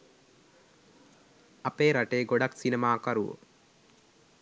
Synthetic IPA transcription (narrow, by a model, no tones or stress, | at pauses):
ɐpeːɾɐʈeːɡɔɽɐksinemaːkɐɾṵ